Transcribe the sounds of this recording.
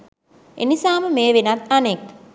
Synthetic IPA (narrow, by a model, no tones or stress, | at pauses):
enisaːməmeːʋenat̪anek